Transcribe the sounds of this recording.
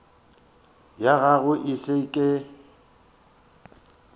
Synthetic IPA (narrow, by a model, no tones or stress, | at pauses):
jaɣaɣʊʔɪɬeikʼe